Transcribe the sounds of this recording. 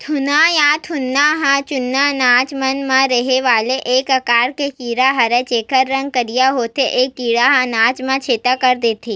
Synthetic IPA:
t̪ʰʊnajãt̪ʰʊnːaɦãt͡ʃʊnːanaːt͡ʃmɐnmãɾɐɦeʋaːleʔeːkəkaːɾkekiːɾaɦɐɾet͡ʃeːkəɾːɐ̃ŋɡ̚kəɾijaɦoːt̪eʔeːkːiːɽaɦãnaːt͡ʃmãt͡ʃʰeːt̪akɐɾd̪eːt̪ʰiː

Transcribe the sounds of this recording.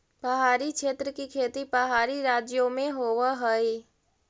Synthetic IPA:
pɐɦaːɾikʃʰeːt̪ɾəkikʰeːt̪ipəɦaːɾiɾaːd͡ʒjomẽɦoːʋaɦəi

